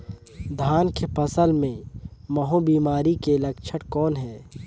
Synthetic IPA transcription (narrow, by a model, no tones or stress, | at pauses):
d̪ʱaːnkepɐsəlmẽmɐɦõbiːmaːɾikelɐkt͡ʃʰəʈkɔːnɦɛː